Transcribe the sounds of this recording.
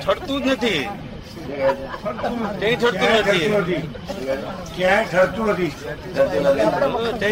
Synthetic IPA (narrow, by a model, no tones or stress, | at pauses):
t͡ʃʰəɽt̪ũnət̪ʰi | t̪t̪ẽĩt͡ʃʰəɽũnət̪ʰiət̪i | kjãʈʰəɽt̪ũnət̪i | t̪unt̪it̪ẽ